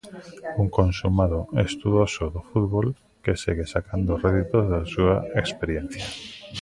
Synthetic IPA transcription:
uŋkõnsumaðoest̪uðosoðofuðβol | kesiɣesakand̪oreðit̪ozðasuaekspeɾjen̟θja

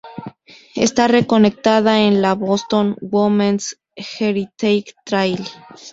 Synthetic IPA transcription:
e̞̰st̪are̞ko̞ne̞k̚t̪aðaenlaβost̪o̞nwomẽns | xeɾit̪ejkt̪ɾajl

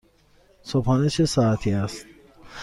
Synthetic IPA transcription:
sophɒːnet͡ʃʰesɒːæt̪ʰiːæst̪̚

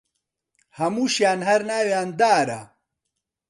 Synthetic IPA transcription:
hɐmuːʃjaːnhɐɾnaːwjaːnd̪aːɾɐ̰

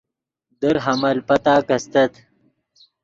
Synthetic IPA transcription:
d̪əɾɦɐmɐlpɐt̪aːkɐst̪ɐt̪

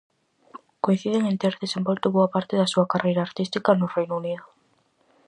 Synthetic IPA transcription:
koin̟θiðeŋẽnt̪eɾðesembolt̪ʊβoapaɾt̪eðɐsuɐkarejɾaːɾt̪ist̪ikanʊrejnouniðʊ

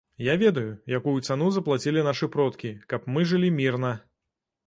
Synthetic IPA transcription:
javʲɛd̪ɐjujakujut̪sanuzɐplˠat͡sʲilʲinaʂɨpɾɔt̪kʲikɐpmɨʐɨlʲimʲirnɐ

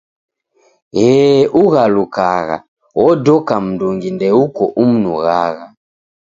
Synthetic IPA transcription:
ɣɛʔuɣalukaɣa̰ | wɔdɔkam̩duŋɡindɛukɔʔum̩nṵɣaɣa

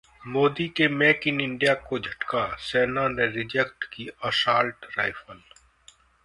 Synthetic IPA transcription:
moːd̪ikemɛːkɪnɪ̃ɳɖijaːkod͡ʒʱɐʈkaːsɛːnãːnẽɾɪd͡ʒekʈkiəsaːlʈɾaːɪfəl

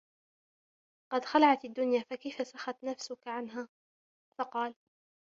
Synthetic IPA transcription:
qɑd̪xalaʕat̪ad̪ːʊnjaːfakajfasaxat̪nafsʊkaʕanɦaː | fɑqɑːl

